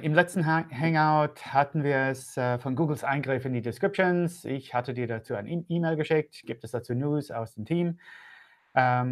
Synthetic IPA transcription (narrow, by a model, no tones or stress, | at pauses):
ʔɪmlɛt͡stn̩ɦɛŋaʊthatn̩viːɐɛsəfɔnɡuːɡl̩sʔaɪnɡʁɪfɪndiːdɪskʁ̥ɪp̚ʃonsɪçhatədiːɐɾat͡suːaɪnʔiːmeɪlɡəʃɪk̚tɡ̥iːp̚tɛsd̥at͡suːnjuːsa̰ʊsd̥emtʰiːm | ʔə